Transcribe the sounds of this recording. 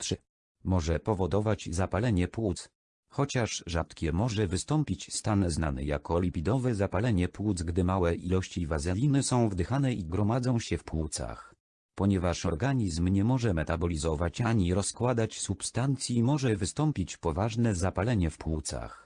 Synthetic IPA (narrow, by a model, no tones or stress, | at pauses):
t̪ʂɘ | mɔʐɛpɔvɔd̪ɔvad͡ʑzapalɛɲɛpwut̪s | xɔt͡ɕaʂʐat̪kʲɛmɔʐɛvɘst̪ɔmpʲit͡ɕst̪anzna̰nɘ̰ja̰kɔlʲipʲid̪ɔvɛzapalɛɲɛpwut̪zɡd̪ɘmawɛʔilɔɕt͡ɕivazɛlʲinɘsɔ̃w̃vd̪ɘxanɛiɡɾɔmad̪zɔ̃w̃ɕɛfpwut̪sa̰x | pɔɲɛvaʂɔɾɡaɲizmɲɛmɔʐɛmɛt̪abɔlʲizɔvat͡ɕaɲiɾɔskwad̪at͡ɕsupst̪ant̪sʲjimɔʐɛvɘst̪ɔmpʲit͡ɕpɔvaʐnɛzapalɛɲɛfpwut̪sa̰x